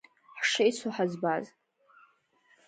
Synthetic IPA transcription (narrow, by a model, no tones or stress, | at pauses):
ħʂajsʷʰuħazbaz